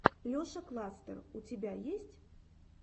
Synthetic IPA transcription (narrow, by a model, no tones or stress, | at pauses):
lʲɔʂɐklˠast̪ə̰rut͡sʲabʲajesʲt͡sʲ